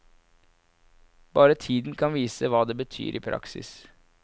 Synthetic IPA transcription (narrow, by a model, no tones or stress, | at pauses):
b̥ɑːɾət̪ʰiːd̪n̩kʰɑnʋiːsəʋɑːd̪eːbət̪ʰy̰ːɾʔiːpʰɾʔɑ̰ksɪ̰s